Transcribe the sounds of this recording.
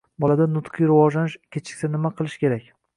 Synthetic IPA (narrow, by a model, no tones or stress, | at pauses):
bɒlad̪anʊt̪qʰɨjɾɪvɒd͡ʒlanɪʃkʲʰet͡ʃʰɪ̥kʲsanɪmaqʰɨlˠɪʃkʲe̞ɾakʲ